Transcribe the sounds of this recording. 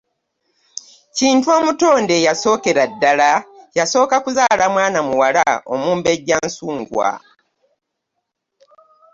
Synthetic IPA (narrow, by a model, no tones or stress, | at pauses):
ciːntuo̞ːmuto̞ːnde̞jaso̞ːke̞ɾadːalajaso̞ːkakuzaːlamwaːnamuwala̰o̞muːmbe̞ɟːansuːŋɡwa̰